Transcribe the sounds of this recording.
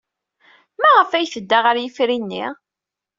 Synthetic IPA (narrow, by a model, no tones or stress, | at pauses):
mæʁəfæjθəd̪ːaʁəɾjəfɾinːḭʁ